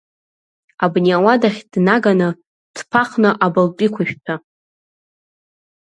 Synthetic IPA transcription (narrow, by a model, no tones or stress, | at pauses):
abniawadaχʲd̥naɡanɨ | d̥pʰaχnɨʔabalt͡pʼikʷʰaʃᶣpʰa